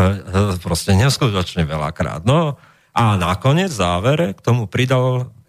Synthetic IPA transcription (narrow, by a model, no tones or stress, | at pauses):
pɾɔscɛɲɛskut̪ɔt͡ʃɲɛʋɛla̰kɾa̰ːd̪̚nɔ | anakɔɲɪɛd͡zzaːʋɛɾɛkt̪ɔmupɾid̪all